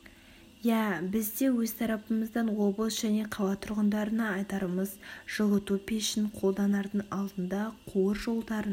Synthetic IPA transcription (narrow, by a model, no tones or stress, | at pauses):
jæbɪzd̪e̞wɵzt̪ʰɑɾɑpəməzd̪ɑnwo̞blˠsʒ̥æne̞qʰɑw̪ˠɑt̪ʰʊɾʁənd̪ɑɾənɑɑjt̪ɑɾəməz̥ʒ̥əʁˠət̪upʲeʃɪnqʰo̞lˠd̪ɑnɑɾd̪əɴɑlˠd̪ənd̪ɑqʰuwəɾʒo̞lˠd̪ɑɾən